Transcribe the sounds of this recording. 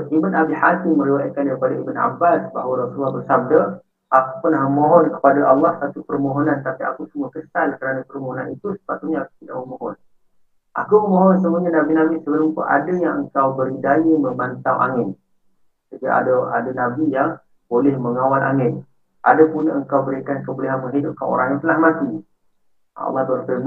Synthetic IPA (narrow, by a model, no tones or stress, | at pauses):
imanabihakimə̃ɾiwajakandaɾipadaibəna̰basba̰ɦwəɾasulːahbərsab̚da | ʔaku̥pərnahməmoɦɔnkə̥padaʔɑlːɑhsat̪upərmoɦɔnãnt̪apia̰kusəmuəkəsalkəɾanapərmoɦonanit̪usə̥pat̪uʔɲaaku̥t̪ida̰ʔməmoɦɔn | ʔa̰kuməmoɦɔnsəmuɲanabinamɪsəbəlʊmt̪ʊ̰ʔa̰dajaŋəŋkawbəɾidajiməmbant̪awʔa̰ŋɪn | səkia̰daa̰danabijaŋ | b̥olɛhməŋawalʔa̰ŋɪn | ʔa̰dapunəŋkawbəɾikankəbəliɦanməŋɦidʊp̚ka̰no̰ɾaŋjat̪əlahmat̪i | ɑ̰lːɑht̪ənapə